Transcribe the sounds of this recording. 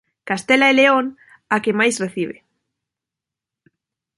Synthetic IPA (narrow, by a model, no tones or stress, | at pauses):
kast̪elaeleon | akemajsreθiβ̞ḛ